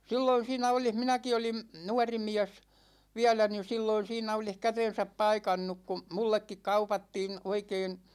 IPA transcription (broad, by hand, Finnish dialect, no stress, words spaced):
silːoin̞ siːnæ olih minæki olim nuɑrimiæs ʋiælæ ni silːoin̞ siːnæ olih kæten̞sæp pɑikɑnːuk ku mulːekːik kɑupɑtːiːn̞ oikeːn̞